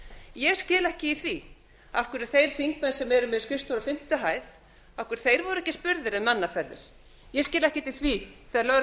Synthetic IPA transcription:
jɛɣscɪːðlɛhcɪiθvi | afkʏɾɛ̥θejɾ̥θiŋk̚mɛnsɛmɛɾʏmɪðskɪst̪ɔɾafɪm̥t̪ʏɦaːjð | afkʏɾ̥θejɾvɔɾʏɛhcɪspʏɾðɪɾɛðmanːafɛɾðɪ̰ɾ̥ | jɛscɪːlɛhcɪt̪ːɪθviθɛðaɾlœɾ

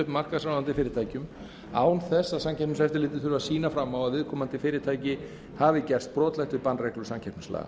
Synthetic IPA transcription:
ʏhpmar̥kaðsanvant̪ɪfɪːɾɪɾt̪ʰajcʏm | aːwnθɛsːasamcʰɛɾp̚mʏslɛft̪ɪɾlɪːt̪ɪθʏɾʏvasiːnafɾamːawaðvɪːðkʰɔːmant̪ɪfɪːɾɪt̪ʰaːjcɪ | havɪcɛr̥st̪̚pɾɔːt̪lajht̪ʏɾpanːrɛjhklʏ̥samcʰɛrpnʏsla̰ːɣa̰

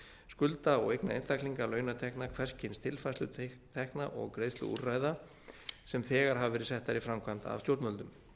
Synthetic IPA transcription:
skʏlt̪aɔɣejknaejnst̪akliŋkalœːɥnat̪ʰɛknakʰvɛr̥scɪnst̪ʰɪlfajslʏ̰t̪ʰɛhknaʔɔ̰ɣkɾeːjðst̪lʏ̰ṵrraːjða | sɛmfɛːɣaɾ̥ɦavvɛɾɪsɛht̪ːaɾifɾamkʰvant̪a̰vsjowɾt̪mœlt̪ʏm

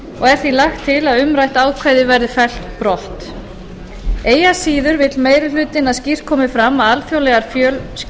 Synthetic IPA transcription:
ɔɣɛɾ̥θilaxt̪ʰːɪlaðʏmɾajht̪aːwkʰvaːjðɪvɛɾðɪfɛl̥t̪pɾɔht̪ | eːjasiːðʏɾvɪt̪lmeːjɾɪl̥ʏːt̪ɪnaðscir̥kʰɔːmɪfɾamːaðalfjowlɛɣaɾ̥fjœls

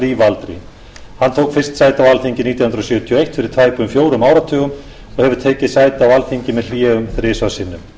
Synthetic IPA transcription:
ɾiːvalt̪ɾɪ̰ | hant̪ʰoːwkfɪrst̪sajt̪ɪawalθeɲcɪniːt̪jahʏnɾɔsjœːt̪ʰijɔejht̪fɪɾɪɾ̥t̪ʰvaːjpʏmfjoːwɾʏmaːwɾat̪ʰœːɣʏm | ɔɣhɛvʏ̥t̪ʰɛːcɪðsaːjt̪awalθejɲcɪmɛðl̥jɛːʏmθɾɪːsvasɪnːʏm

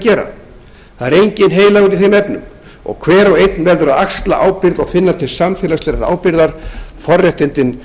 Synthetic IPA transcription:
cɛːɾa̰ | θaðɛɾejɲcɪnɦeːjlaɣʏɾiθejmɛpnʏm | ɔ̰ɣkʰvɛːɾɔɣejt̪nvɛɾðʏɾaðakst̪la̰ʔaːwpɪɾðɔɣθɪnːaɾ̥t̪ʰɪlsamfɛːlast̪ɛːɾaɾa̰ːwpɪɾðaɾ̥fɔrːjɛht̪ɪnt̪ɪn

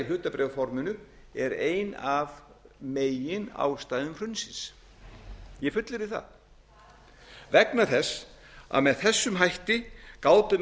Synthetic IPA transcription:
ɪɦ̪ʏːt̪apɾʔɛwfɔɾmʏnʏ | ɛɾeːjnav | meːjɪna̰ːwst̪ajðʏmr̥ʏnsɪns | jɛfʏt̪lɪɾɪðθa̰ð | vɛknaθɛs | a̰ðmɛðθɛsːʏmɦajht̪ɪkaːwt̪ʏm

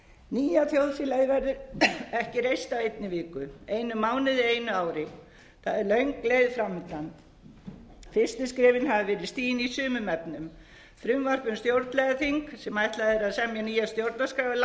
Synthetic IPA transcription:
niːjaθjowðfilajðɪvɛɾðʏɾɛhcɪɾejst̪avejt̪̚nɪvɪːkʏejnʏmaːwnɪðɪejnʏaːwɾɪ | θaðɛɾlœɥŋklejðfɾamːɪt̪lan | fɪr̥st̪ɪskɾɪːvɪnhavɪvɛːɾɪðst̪iːjɪnisʏːmʏmɛpnʏm | fɾʏmvar̥pʏnst̪jowɾt̪nlɛɣaθiŋksɛmajht̪laðɛɾaðsɛmjaniːjast̪jowɾt̪naskɾaːvʏl

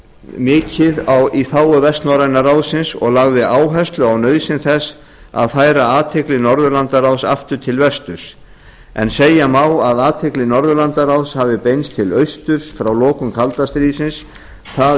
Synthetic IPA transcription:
mɪːcɪðawiθaːwʏvɛst̪nɔɾajnaɾawsɪnsɔ̰ɣlaɣðɪaːwɦɛst̪lʏawnœɥðsɪnθɛs | a̰ðθajɾaaːt̪ʰɪklɪnɔɾðʏlant̪aɾawsaft̪ʏ̥t̪ʰɪlvɛst̪ʏɾ̥s | ɛ̰nseːjamaːwaðaːt̪ʰɪklɪnɔɾðʏlant̪aɾawshaːvɪpejnst̪ʰɪlœɥst̪ʏɾ̥sfɾawlɔːkʏmkʰalt̪ast̪ɾiːðsɪns | θa

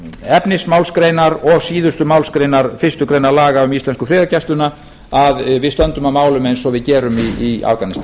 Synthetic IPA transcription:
ɛpnɪsmaːwlskɾejnaɾɔɣsiːðʏst̪ʏmawlskɾejnaɾfɪr̥st̪ʏkɾeːjnaɾlaːɣaʏmist̪lɛnskʏfɾɪːðacast̪ʏna | aðvɪðst̪œnt̪ʏmamaːwlʏmejnsɔɣvɪðcɛːɾʏmiia̰fkanɪst̪a

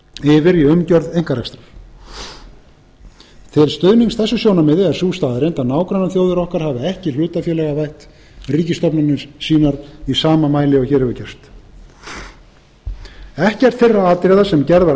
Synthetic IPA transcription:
ɪvɪɾiʏmcœɾðejŋ̥kaɾakst̪ɾaf | t̪ʰɪlst̪œːɥniŋsθɛsːʏsjownamɪːðɪɛɾ̥suːst̪aːðaɾejnt̪anaːwkɾanaθjowðɪɾɔhkaɾ̥haːvɪɛhcɪl̥ʏːt̪afjɛːlɛɣavajht̪ | riːcɪst̪ɔpnʏnɪɾsiːnaɾisaːmamaːjlɪawçɛːɾɪvʏcɛr̥st̪ | ɛhcɛr̥t̪fɪrːaaːt̪ɾɛːðasɛmcɛɾðva

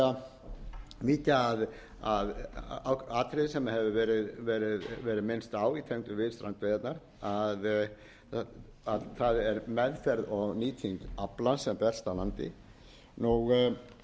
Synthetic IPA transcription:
a | miːt̪aːð | aðawkaːt̪ʰɾɪðsɛmahɛvʏvɛːɾɪðvɛːɾɪðvɛːɾɪðmɪnst̪aːwit̪ʰɛŋt̪ʏvɪðst̪ɾant̪vɛjɛt̪naɾ | að | aðθaðɛɾmɛðfɛɾðɔɣniːt̪ʰiŋkaplasɛmpɛ̥st̪alant̪ɪ̰ | nuɣ

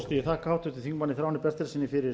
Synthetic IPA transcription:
st̪ijɛt̪ʰaːkaawt̪ʏt̪ɪθiŋmanːɪθɾawanɪpɛst̪ɛɾsɪnːɪfɪɾɪ

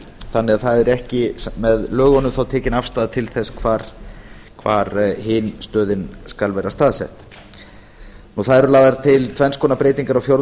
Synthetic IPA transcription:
θanːɛaðθaðɛɾɛhcɪmɛðlœːɣɔnʏmθawt̪ʰɛːcɪnafst̪aːðat̪ʰɪlθɛskʰvaːɾ̥ | kʰvaːɾhɪnst̪œːðɪnskalvɛːɾast̪aːðsɛ̰ht̪ | nuθaðɛɾʏlaːðaɾt̪ʰɪlt̪ʰvɛnskʰɔːnapɾeːjt̪iŋkaɾawfjowɾ

